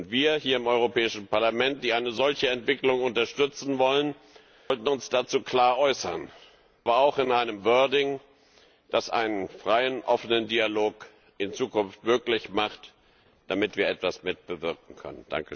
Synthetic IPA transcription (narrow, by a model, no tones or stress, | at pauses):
ʊntv̥iːɐhiːɐɪmʔɔʏʁopʰɛːɪʃn̩paɐlamɛnt̚d̥iːaɪnəzɔlçəɛntv̥ɪklʊŋʊntɐʃtʏt͡sn̩vɔlən | ɔltn̩ʊnsd̥aːt͡suːkl̥aːɐʔɔʏsɐ̰n | ʔabɐaʊxɪnʔaɪnəmvœɐdɪŋ | d̥asʔa̰ɪnənfʁ̥aɪənʔɔfənəndialoːk | ʔɪnt͡suːkʊnftmøːklɪçmaχt | d̥amɪtv̥iːɐʔɛtv̥asmɪt̚b̥əvɪɐk̚ŋ̩kʰœ̰nənd̥a̰ŋkə